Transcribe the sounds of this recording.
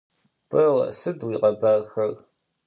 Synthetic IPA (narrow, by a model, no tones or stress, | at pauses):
pɐʁsɨdwiːqɐbaːxɐr